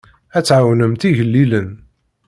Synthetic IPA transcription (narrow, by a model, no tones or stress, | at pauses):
æt͡sːʕawnəmt̪iʝəlːilən